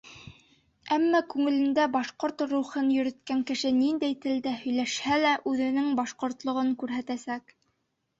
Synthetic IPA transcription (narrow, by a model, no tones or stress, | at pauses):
æmːækʉŋɘ̆lɘ̆nd̪æbɑʃqoɾt̪ɾuχɤnjɵ̆ɾɘ̆t̪kæŋkɘ̆ʃɘnind̪æjt̪ɘ̆ld̪æhɵ̆jlæʃhælæʔʉðɘ̆nɘŋbɑʃqŏɾt̪lˠŏʁɤŋkʉɾɦæt̪æsæk